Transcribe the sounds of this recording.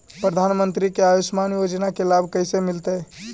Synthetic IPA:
pɾəd̪ʱanmənt̪ɾikeaʋismanjod͡ʒnakelabʱkəjsemilt̪ə

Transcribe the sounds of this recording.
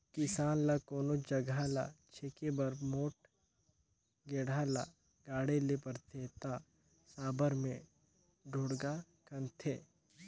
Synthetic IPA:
kɪsaːnlakoːnod͡ʒɐɡʱala̰t͡ʃʰekebɐɾmoːʈ̚ | ɡeːɽala | ɡaːɽelepɐɾt̪ʰeːt̪a | saːbəɾmẽ | ɖʱoːɽɡa | kɐnt̪ʰeː

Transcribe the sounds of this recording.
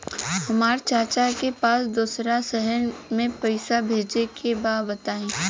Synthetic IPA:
hɐmaːɾt͡ʃaːt͡ʃakepaːsd̪uːsɾasɛɦəɾmẽpɐɪsabʱeːd͡ʒekʰebaːbɐt̪aːẽː

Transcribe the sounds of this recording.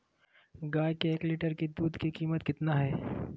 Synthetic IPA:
ɡaːjkeeːkliːʈəɾkid̪uːd̪kikiːmət̪kɪt̪naɦɛː

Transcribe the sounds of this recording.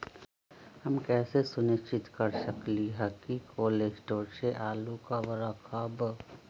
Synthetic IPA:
həmkɛːsesʊnɪst͡ʃɪt̪kəɾsəkliɦɛkikʰoːled͡ʒʈoːɾseʔaːlukaʋɾəkʰəb

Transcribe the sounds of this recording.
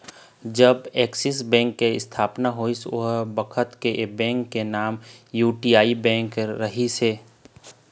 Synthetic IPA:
d͡ʒəbɛːksɪs̬bɛ̃ːŋkːeɪ̰st̪ʰaːpnaɦoːiso̰ɦbɐkʰət̪keʔebɛ̃ːŋkːenaːmjuːʈiːaːibɛ̃ːŋkɾɐɦiseː

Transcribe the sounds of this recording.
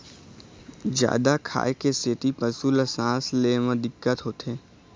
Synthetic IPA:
d͡ʒja̰ːd̪akʰa̰ːekeset̪ipəsuləsãːsleːmə̃d̪ɪkːət̪ɦoːt̪eː

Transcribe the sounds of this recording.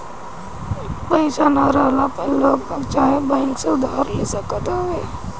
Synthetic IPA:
pəɪʃanaɾaːlapeloːɡbəɡt͡ʃaːɦebɛ̃ːŋkseʊd̪ʱaːɾleːsəkət̪aɦeː

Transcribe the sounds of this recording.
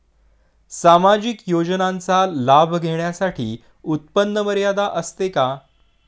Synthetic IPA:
samad͡ʑikjod͡ʑnãnt͡salabʱɡʱeɳjasaʈʰḭː | ut̪̚pənːəməɾjad̪aʔəst̪eka

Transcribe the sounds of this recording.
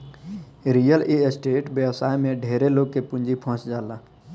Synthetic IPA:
ɾijəlesʈeːʈbjəwsaːjmẽɖʱeːɾeloːɡ̚kepʊ̃nd͡ʒipʰɔ̃ːt͡ʃd͡ʒaːlaː

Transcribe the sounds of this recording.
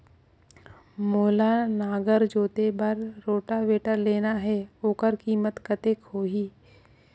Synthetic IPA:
moːlanaːɡəɾd͡ʒoːt̪ebəɾːoːʈaweːʈəɾleːnaɦɛoːkəɾkiːmət̪kət̪eːkɦoːɦiː

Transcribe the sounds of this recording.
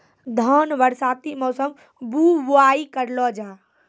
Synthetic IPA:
d̪ʱɔːnʋəɾsaːt̪imɔːsəm | buːʋʊaːikəɾlɔd͡ʒaː

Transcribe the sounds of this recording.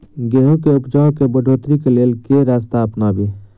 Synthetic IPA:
ɡeːɦũkeʊpd͡ʒaːokebəɖʱoːt̪ɾikeleːlkeɾaːst̪aəpnaːbe

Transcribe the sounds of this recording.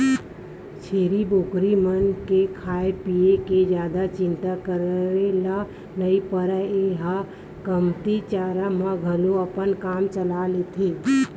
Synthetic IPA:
t͡ʃʰeːɾiboːkɾimənkekʰaːepijeked͡ʒjaːd̪at͡ʃɪ̃nt̪akəɾɾela | nəipəɾəeɦa | kəmt̪it͡ʃaːɾamãɡʱəloəpənkaːmt͡ʃəlaleːt̪ʰiː

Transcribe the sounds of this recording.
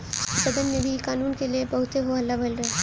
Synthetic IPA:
sɐd̪ənmẽbʱikaːnuːnkelijebɐɦʊt̪eɦoɦɐlːabʱɐlɾɐɦe

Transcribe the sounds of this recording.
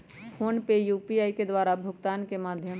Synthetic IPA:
fʰoːnpejuːpiaːiked̪waːɾabʱʊɡt̪aːnkemaːd̪ʱjəm

